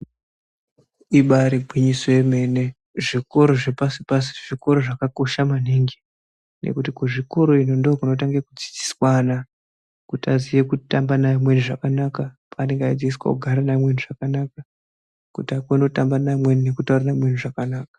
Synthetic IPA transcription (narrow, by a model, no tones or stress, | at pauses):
iɓaɾiɡʱwiɲisoeme̞ne̞ | ʐiko̞ɾo̞ʐepasipasi̥ʐiko̞ɾo̞ʐakako̞ʃamaniŋɡi | nʔe̞̰kutikuʐiko̞ɾo̞inondokuno̞t̬aŋɡekud͡zid͡zi̥swana | kutazijekutambanaimwe̞niʐakanakapʰaːne̞ŋɡaid͡ziiswa̰kuɡʱaɾanamwe̞nuʐakanaka | kutakono̞tambanamwe̞nine̞kutauɾanamwe̞n̤uʐakanaːkḁ